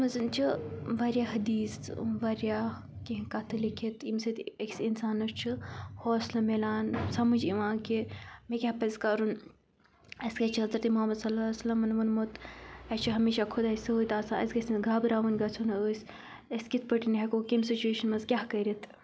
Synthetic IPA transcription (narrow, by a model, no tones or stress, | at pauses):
mɐzɨnt͡ʃʰiʋaɾʲjaɦɐd̪iːsʋaɾjaː | kiɦkɐt̪ʰɨlikʰit̪imsit̪eksinsaːnɐst͡ʃʰihoːslɐmelaːnsɐmɐd͡ʒiʋãːkimekʲapɐzkɐɾun | ɐskɐt͡ʃʰiɦɐzɾɐt̪imʊɦɐmːɐd̪sɐlaːsɐlɐmɐnʋɐnmut̪ɐt͡ʃʰiɦɐmiːʃakʰud̪aːjsɐojt̪aːsaɐ̰sɡɐsʲinɡʱaːbɾaːʋɐnɡɐt͡sʰunɐəːs | ɐskit̪̚ʰpəʈinɦekokimsit͡ʃueːʃɐnmɐzkʲaɦkɐɾit̪ʰ